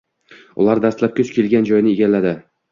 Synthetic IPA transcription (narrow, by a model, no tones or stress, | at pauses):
ʊ̰lˠaɾd̪ast̪lap̚kʲɵt͡ʃkʲʰe̞lɡʲand͡ʒɒjnɪeɡʲalːad̪ɪ